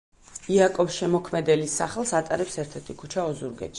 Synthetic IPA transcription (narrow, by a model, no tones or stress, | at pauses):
iakʼɔfsʃɛmɔkʰmɛd̪ɛlisːa̰χɛlˠsat̪ʼaɾɛpsɛɾt̪ʰɛɾt̪ʰikʰut͡ʃʰaɔzuɾɡɛ̰t̪ʃi